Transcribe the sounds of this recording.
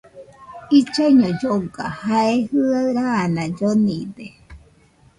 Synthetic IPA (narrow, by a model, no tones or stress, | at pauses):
it͡ʃaiɲod͡ʒoɡa̰haehɯaɾaːnãd͡ʒonĩd̪e